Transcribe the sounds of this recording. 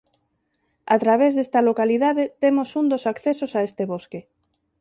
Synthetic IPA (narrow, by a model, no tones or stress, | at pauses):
at̪ɾaβ̞ezðest̪alokaliðaðet̪emosund̪osakθesosaest̪eβoske